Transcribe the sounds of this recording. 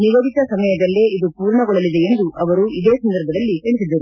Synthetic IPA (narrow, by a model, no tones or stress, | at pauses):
niʋoːɡit̪ɐsɐmɐjɐd̪ɐlːe̞ːid̪upuːɾɳɐɡɔɭɐlid̪eend̪uʔɐʋɐɾuid̪eːsɐnd̪ɐɾbʱɐd̪ɐlːikɐɭisid̪ːɐɾu